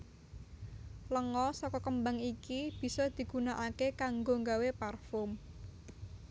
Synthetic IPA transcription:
ləŋɔsɔkɔkəmbaŋikib̥i̤sɔd̪̥i̤ɡ̥ṳnaʔakekaŋɡoŋɡaweparfʊm

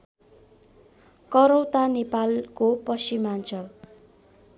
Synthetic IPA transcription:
kʌɾʌwt̪anepalkopʌsimant͡sʰʌ

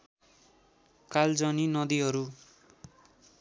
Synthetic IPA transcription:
kald͡zʌninʌd̪iɦʌɾu

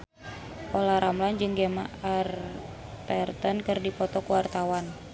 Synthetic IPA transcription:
ʔɔlaɾamland͡ʒɨŋɡɛma̰art̪ɛrt̪ənkɨrdipɔt̪ɔkuwart̪awan

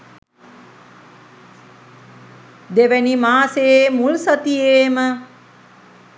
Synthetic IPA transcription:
d̪eʋænimaːseemulsɐt̪ieːmə

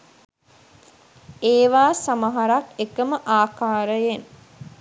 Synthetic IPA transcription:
eːʋaːsamaɦaɾakekəməʔaːkaːɾəjen

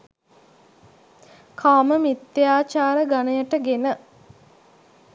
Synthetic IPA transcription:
kʰaːməmit̪ːejaːt͡ʃaːɾəɡanəjəʈəɡenə

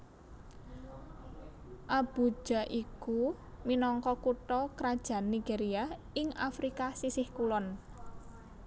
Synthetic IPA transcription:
ʔab̥ṳd̥ʒ̥a̤ʔiku | minɔŋkɔkuʈɔkɾad̥ʒ̥a̤nːiɡ̥eɾia | ɪŋafɾikasisɪhkulɔn

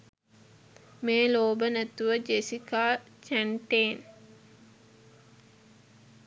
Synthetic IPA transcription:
meːloːbənæt̪uʋəd͡ʒesikaː | t͡ʃæɳʈeːn

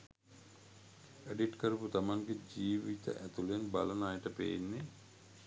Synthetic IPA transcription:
əɖiʈkəɾuput̪amaŋɡed͡ʒiːʋit̪ə̰ʔæt̪ulenba̰lɐnaːjəʈəpḛjenːe

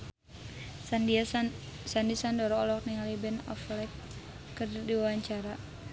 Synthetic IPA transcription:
sandisandɔɾɔɔlɔk̚niŋalibɛnɔ̰flɛkː | ərdiwawaɲt͡ʃaɾa

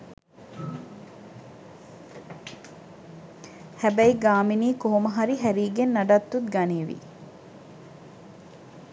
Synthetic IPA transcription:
hæbæiɡaːminiːkoɦomɐɦɐɾiɦæɾiːɡenːɐɖat̪ːut̪ɡɐneːʋḭ

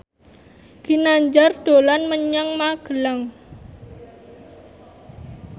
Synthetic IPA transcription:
ɡ̥inaɲd͡ʒard̪̥o̤lanməɲaŋmaɡ̥əlaŋ

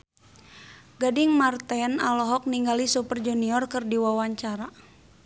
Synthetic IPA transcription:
ɡadiŋmart̪ɛnalɔɦɔk̚niŋɡalisupərd͡ʒuniɔrkɨrdiwawaɲt͡ʃaɾa

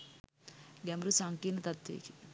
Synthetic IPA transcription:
ɡɛmbɾusaːŋkiːnɐt̪ɐt̪ʋḭːki

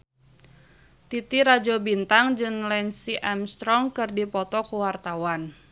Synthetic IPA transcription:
t̪it̪iɾad͡ʒɔbint̪aŋd͡ʒɨŋlɛnsiʔɛmst̪ɾɔŋkɨrdipɔt̪ɔkuwart̪awan

